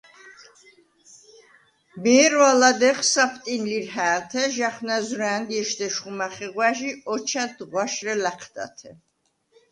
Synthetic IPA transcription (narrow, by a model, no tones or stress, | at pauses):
mɛːɾwalad̪ɛχsapʰt̪ʼinliɾhæːt̪ʰɛʒaχnazɾɛːnd̪ɛʃd̪ɛʃχumaχɛʁwaʒiɔt͡ʃʰad̪ʁwaʃɾɛlaqʰd̪̥a̰t̪ʰɛ